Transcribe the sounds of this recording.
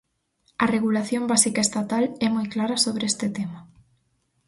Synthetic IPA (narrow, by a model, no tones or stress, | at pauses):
ɐreɣulaθjombasikaest̪at̪alɛmojklaɾasoβɾeest̪ɪt̪ema